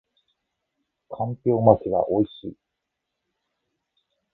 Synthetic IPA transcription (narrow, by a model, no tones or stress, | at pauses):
kʰãmpʲo̞ːmat͡ɕiɡa̰ʔo̞iɕḭː